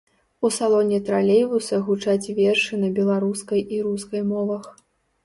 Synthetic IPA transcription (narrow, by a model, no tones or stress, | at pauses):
usalˠɔnʲɛt̪ɾalʲejvusɐɣut͡ʂat͡sʲvʲɛrʂɨnɐbʲɛlˠaɾuskɐjiɾuskɐjmɔvɐx